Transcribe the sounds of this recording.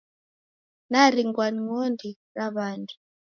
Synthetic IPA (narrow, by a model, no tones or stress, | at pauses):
naɾiŋɡwaniŋondʱi | raβaːndʰʼu